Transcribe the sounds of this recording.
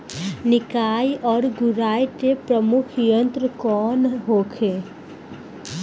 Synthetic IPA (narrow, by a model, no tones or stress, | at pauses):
nɪkaːjɔːɾɡʊɾaːjt̪epɾəmʊkʰjə̃nt̪ɾəkɔːnɦoːkʰeː